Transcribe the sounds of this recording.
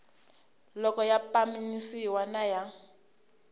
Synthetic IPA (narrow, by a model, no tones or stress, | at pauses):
lɔkʼɔjapʼaminisiwanaja